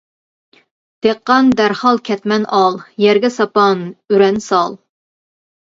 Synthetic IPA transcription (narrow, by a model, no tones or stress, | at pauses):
d̪̥eqːɑnd̪æɾhɑlˠkʲʰɛt̪mɛnʔɑlˠjɛɾɡʲɛsɑpɑnyɾɛnsɑlˠ